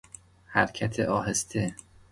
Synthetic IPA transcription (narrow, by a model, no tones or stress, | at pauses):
hæɾcʰæt̪ʰeʔɒːɦest̪ʰe